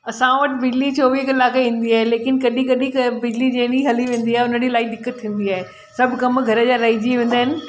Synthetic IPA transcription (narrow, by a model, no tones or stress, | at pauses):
ɐsãʋɐʈɪ̆bɪd͡ʑlit͡ɕoːʋiːɦkɐlaːkeĩːn̆d̪iaːɦeleːkɪnkɐɗĩkɐɗĩkbɪd͡ʑlid͡ʑẽːniɦɐliʋẽːn̆d̪iaːɦeʊnəɽilaːid̪ɪkːət̪ʰːĩːn̆d̪iaːɦe | sɐbʱkɐmɡʱɐɾəd͡ʑaːɾɐːid͡ʑiʋẽːn̆d̪aːɦɪnɪ̆